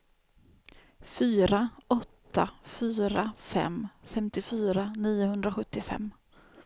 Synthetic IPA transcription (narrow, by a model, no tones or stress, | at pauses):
fyːɾaʔɔt̪ʰːafyːɾafɛ̰mfɛmt̪ɪfyːɾaniːʊɦɵnd̪ɾaɧɵt̪ːɪfɛ̰mː